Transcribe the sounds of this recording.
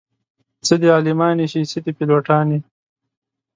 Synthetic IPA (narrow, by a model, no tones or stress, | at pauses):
t͡səd̪iɑːlimɑːniɕisəd̪ipilwoʈɑːni